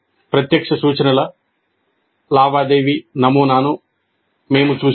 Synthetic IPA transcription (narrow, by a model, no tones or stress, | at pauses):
pɾɐt̪jɐkʂɐsuːt͡ʃɐnɐlɐ | laːʋaːd̪e̞ːʋinɐmuːnaːnu | me̞ːmut͡ʃuː